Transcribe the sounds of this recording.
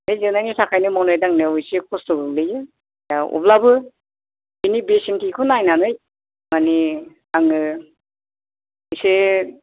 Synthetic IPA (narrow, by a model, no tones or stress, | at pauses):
ejzɯnajnisʰakʰajnɯmawnɔjdaŋnɯwɯjsekʰɔstoɡɯlɯjɯ | jaṵplabɯ | inibesintʰikʰunajnanɯj | mani | aŋɯ | ɯjse